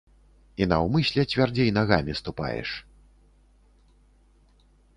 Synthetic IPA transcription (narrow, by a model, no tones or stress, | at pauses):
inɐwmɨsʲlʲɛt͡sʲvʲard͡zʲejnaɣamʲist̪upa̰jɛ̰ʂ